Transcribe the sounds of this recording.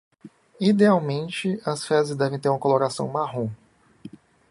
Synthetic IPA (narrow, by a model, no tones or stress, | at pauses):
id̪eawmẽnt͡ʃɪɐsfɛzɪzd̪ɛvẽt̪eɾũmɐkoloɾasɐ̰̃w̃maɦũ